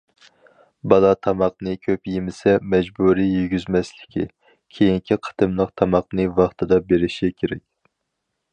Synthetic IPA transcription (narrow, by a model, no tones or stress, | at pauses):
bɑlˠɑt̪ʰɑmɑq̚nɨkʲʰøpjemɪsɛmɛd͡ʒbuɾijyɡʲyzmɛslɪ̥kʲʰḭ | kʲʰejiŋkʲʰiqʰə̥t̪ɨmlˠəqt̪ʰɑmɑq̚nɨvɑχt̪ʰɨd̪ɑbeɾɪʃikʲʰeɾɛkʲ